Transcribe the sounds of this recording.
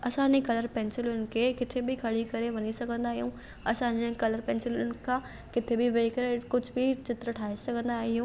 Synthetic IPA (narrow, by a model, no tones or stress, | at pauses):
ɐsãːɲekɐləɾpɛ̃ːnsɪlʊnɪ̆kʰekɪt̪ʰebʱɪkʰɐɽikɐɾeʋɐɲisɐɡʱə̃nd̪aːɦijũː | ɐsãːɲd͡ʑekɐləɾpɛ̃ːnsɪlʊnkʰãː | kɪt̪ʰebɪʋɐikɐɾekʊd͡ʑʱbɪt͡ɕɪt̪ɾəʈʰaːisɐɡʱə̃nd̪aːɦijũː